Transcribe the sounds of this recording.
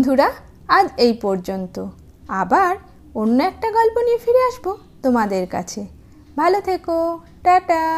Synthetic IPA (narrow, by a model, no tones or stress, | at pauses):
d̪ʱuɾa | ad͡ʑejpɔɾd͡ʑont̪o | abaɾ | onːoɛk̚ʈaɡɔlponiefiɾeaʃbo | t̪omad̪eɾka̰t͡ɕʰe | bʱalot̪ʰeko | ʈaʈa